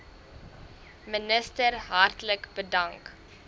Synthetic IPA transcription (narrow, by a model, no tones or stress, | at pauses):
mənəstərɦɐrtləkb̥ədɐŋk